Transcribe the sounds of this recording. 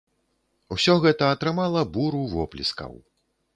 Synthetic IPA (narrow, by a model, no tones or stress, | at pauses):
wsʲɔɣɛt̪ɐːt̪ɾɨmalˠɐbuɾuvɔplʲḭskɐ̰w